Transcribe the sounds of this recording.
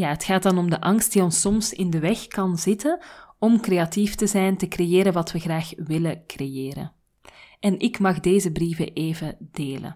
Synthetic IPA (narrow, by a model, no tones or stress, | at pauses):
jaːɦətxaːtdɑnɔmdəʔɑŋst̚diːɔnsɔmsɪndəʋɛxkɑnzɪtənɔmkreːɑtiftəzɛjntəkrejeːɾənʋɑtwəɣraːxʋɪləkrejeːɾə̰n | ʔɛnɪkmɑɣdeːzəbrivə̰ʔeːvəd̥eːlə̰